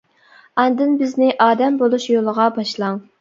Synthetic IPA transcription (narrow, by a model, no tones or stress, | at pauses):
ɑnd̪ɨnbɪznɪʔɑːd̪ɛmbolˠuʃjolˠəʁɑbɑʃlˠɑŋ